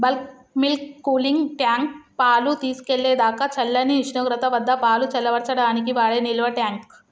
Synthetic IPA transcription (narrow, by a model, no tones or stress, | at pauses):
bɐlk | milkːuːliŋɡʈjaːŋk̚paːlut̪iːsu̥keɭːeːd̪aːkɐt͡ʃɐlːɐniiʃnoːɡɾɐt̪ɐʋɐd̪ʱːɐpaːlut͡ʃɐlːɐʋɐɽt͡ʃɐɽaːnikiʋaːɭeniluʋɐʈjaːŋk̚